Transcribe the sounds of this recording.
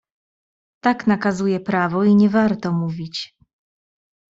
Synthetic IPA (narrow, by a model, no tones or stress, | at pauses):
t̪aknakazujɛpɾavɔiɲɛvaɾt̪ɔmuvʲit͡ɕ